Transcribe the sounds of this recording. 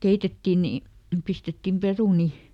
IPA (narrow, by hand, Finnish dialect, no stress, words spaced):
keitetːi ni pistetːim peruni